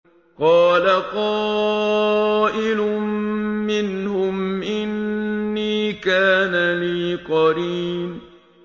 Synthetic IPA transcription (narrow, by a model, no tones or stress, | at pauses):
qɑːlaqɑː | ʔɪlʊ | mɪnhʊmʔɪnːiːkaːnaliːqɑɾiːm